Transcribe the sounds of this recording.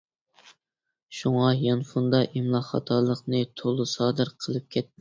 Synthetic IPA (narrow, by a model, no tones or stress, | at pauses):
ʃuŋɑjɑnfund̪ɑʔimlˠɑχɑ̰t̪ʰɑlˠəqnɨt̪ʰolˠusɑːd̪ɨɾqʰəlˠɨp̚kʲʰɛt̪ːɪ